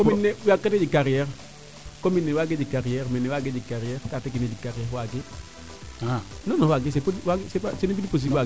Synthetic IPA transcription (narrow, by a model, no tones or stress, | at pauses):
kominːewiaketed͡ʒikaɾiɛɾ | kominːewaɡed͡ʒikaɾijɛɾmɛnːewaɡed͡ʒikaɾiɛɾkatekined͡ʒikaɾiɛɾwaɡɪ | anɔnɔwaɡɪs̬epodiwaɡsepasenip̬idipos̬iba